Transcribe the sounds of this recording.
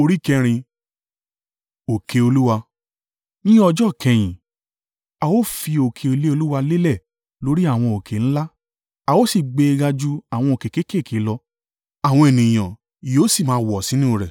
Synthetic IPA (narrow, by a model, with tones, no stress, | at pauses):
o˧ɾi˦kɛ˧ɾ̃ĩ˧ | o˨kʰe˨o˧lu˦wa˧ | nĩ˦ɔ˧d͡ʒɔ˦˨kʰɛ̃˧j̃ĩ˨ | a˨wo˦fi˧o˨kʰe˧o˧le˦o˧lu˦wa˧le˦lɛ˦˨ | lo˨˦ɾi˦a˦˨w̃ɔ̃˧o˨kʰe˨ñ̩˦la˦ | a˨wo˦si˦˨ɡ͡be˧ɡa˧d͡ʒu˧a˨w̃ɔ̃˧o˨ke˨ke˦ke˦˨kʰi˨˦lɔ˧ | a˨w̃ɔ̃˧e˨nĩ˨j̃ã˨ | joː˨˦si˦˨mãː˦wɔ˨sĩ˨˦nĩ˦o˧ɾɛ˨